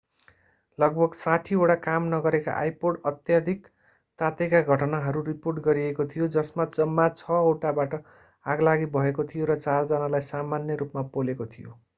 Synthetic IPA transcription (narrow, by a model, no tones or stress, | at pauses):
lʌɡ̚bʱʌɡsaʈʰioɽakamnʌɡʌɾeka̰ʔajpoɽʌt̪jad̪ʱik | t̪at̪ekaɡʱʌʈʌnaɦʌɾuriporʈɡʌɾiekot̪ʰijod͡zʌsmad͡zʌmːat͡sʰʌoʈabaʈʌ | aɡlaɡibʱʌekot̪ʰijoɾʌt͡sard͡zʌnalajsamanjʌɾupmapolekot̪ʰijo̰